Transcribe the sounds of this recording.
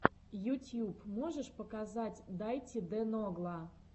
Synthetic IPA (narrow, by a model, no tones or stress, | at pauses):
jutʲjupmoʐəʂpəkazatʲd̪ajtʲɪd̪ɛnoɡlˠə